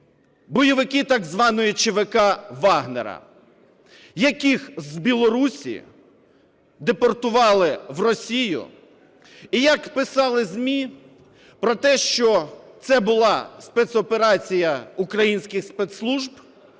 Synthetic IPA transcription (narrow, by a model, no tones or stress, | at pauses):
bɔjɔʋɪkɪt̪ɑɡzʋɑnɔjit͡ʃeʋɪkɑʋɑɦnḛɾɐ̰ | jɐkixzbʲilˠɔɾusʲḭ | d̪epɔrt̪ʊʋɑlˠɪʋrɔsʲijʊ̰ | ijɐkpɪsɑlˠɪzʲmʲi | pɾɔt̪ɛʃt͡ʃɔt̪sɛbʊlˠɑspɛt̪sɔpeɾɑt͡sʲijɐʊkɾɐjinʲsʲkʲɪxspɛt̪slˠuʒb